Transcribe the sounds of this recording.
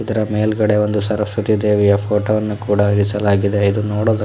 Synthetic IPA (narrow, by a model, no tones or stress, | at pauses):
id̪ɐɾɐmeːlɡɐɽe̞o̞nd̪usɐɾɐsʋɐt̪id̪e̞ːʋijɐpʰoːʈoːʋɐnːukuːɽɐiɾisɐlaːɡid̪e̞id̪unoːɽoːd̪ɐ